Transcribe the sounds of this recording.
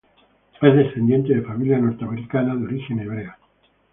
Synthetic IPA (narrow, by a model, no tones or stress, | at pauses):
ezðesθend̪je̞nt̪eðefamiljano̞ɾt̪eameɾikanaðeo̞ɾixeneβ̞ɾea